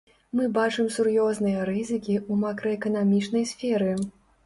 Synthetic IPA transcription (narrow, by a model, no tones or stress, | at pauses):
mɨbat͡ʂɨmsurjɔznɨjɐɾɨzɨkʲiumakɾɐɛkɐnamʲit͡ʂn̪ɐjsʲfʲɛɾɨ